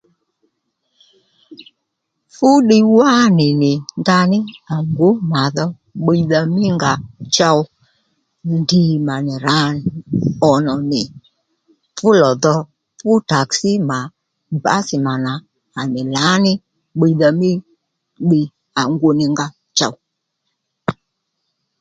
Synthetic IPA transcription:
fʊ˦ɗɪ˦wa˦nɪ˨nɪ˨nda˧nɪ˦a˨ŋɡo˨˦ma˨ðɔ˧ | ɓe˧ða˧mɪ˦ŋɡa˧t͡ʃa˧w | ndi˨ma˨nɪ˨ɾa˨˦nɪ˨ɔ˨nɔ˨nɪ˨ | fʊ˦lɔ˨ðɔ˧ | fʊ˦ta˨ksi˦ma˨ | ba̰˨˦sɪ˨ma˨na˨ | a˨nɪ˨la˨˦nɪ˦ | ɓe˧ða˧mɪ˦ | ɓi˧ | a˨ŋɡo˨nɪ˨ŋɡa˧ | t͡ʃa̰˧w

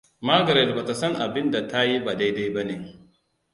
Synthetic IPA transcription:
maː˦ɡɐ˨ɾɛ˨lba˨ta˨sɐ˦ŋʔa˨bɪ˦nda˨ta˦ji˦ba˨da˦jda˦jba˦ne˨

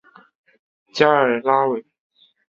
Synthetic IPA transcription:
t͡ɕja˥ə˞˨˩˥la˥we˧˩ɪ

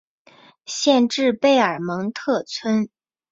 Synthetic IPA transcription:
ɕjɛ˥˧nʈ͡ʂɻ̩˥˧pe˥˩ɪə˞˨˩mɤ˧˥ŋt̪ʰɤ˥˩t͡sʰwə˥n

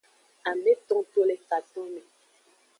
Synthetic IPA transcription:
a˨mbɛ˦tɔ̃˦to˦lɛ˨fa˨t̪ɔ̃˦mɛ˨

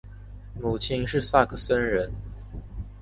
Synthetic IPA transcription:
mu˨˩t͡ɕʰi˥nʂɻ̩˥˧sa˥˩kʰə˨˩sə˥nɻə˧˥n

